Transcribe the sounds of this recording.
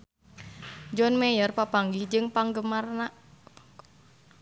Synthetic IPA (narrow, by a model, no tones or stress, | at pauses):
d͡ʒɔnmɛjərpapaŋɡid͡ʒɨŋpaŋɡəmarna